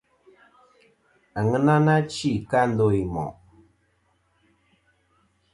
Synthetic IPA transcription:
a˨ŋə˦na˦na˦t͡ʃi˦˨ka˦n̩˦do˦˨i˨mɔ̰˨

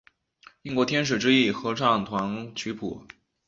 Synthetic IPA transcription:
i˥˧ŋkwɔ˧˥t̪ʰjɛ˥nʂ̬ɻ̩˨˩ʈ͡ʂɻ̩˥i˥˩xɤ˧˥ʈ͡ʂʰɑ˥˩ŋt̪ʰwa˧˥nt͡ɕʰy˧˥pʰṵ˨˩˦

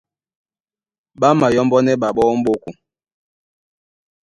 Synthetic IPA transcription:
ɓa˦ma˨jɔ˦mbɔ˦nɛ˦ɓa˨ɓɔ˦m̩˦ɓo˦ku˨

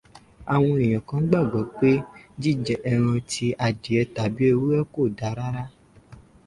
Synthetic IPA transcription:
a˨w̃ɔ̃˧ĩ˨j̃ɔ̃˨kã˨˦ɡ͡ba˦˨ɡɔ˨k͡pe˦d͡ʒi˦˨d͡ʒɛ˨ʔɛ˧ɾ̃ɔ̃˧tʰi˧ʔa˨d͡ʒi˨ɛ˧ta˨bi˦e˦˧wu˦ɛ˦ko˦˨da˨˦ɾa˦ɾa˦

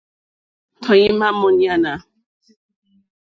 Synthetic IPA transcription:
t̪ʰɔ˨ji˦ma˦mɔ˦ni˦a˦na˨

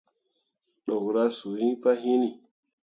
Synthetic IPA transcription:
ɗo˨ɣɾa˦su˨hĩ˦pa˦ɦĩ˦ni˨

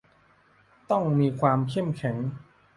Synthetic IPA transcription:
t̪ɔ˥˩ŋmiː˧kʰwaː˧mkʰe˥˩mkʰɛ˩˦ŋ

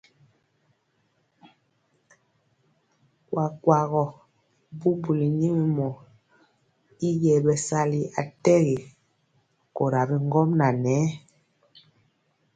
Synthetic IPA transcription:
kwa˨kwa˨ɣɔ˨ | bu˦bu˨li˨ɲi˦mi˨mɔ˨ | i˦jɛ˨bɛ˨sa˦li˨a˨tɛ˦ɣi˨ | ko˨ɾa˨bi˨ŋ˦ɡɔ˦mna˨nɛː˨˦

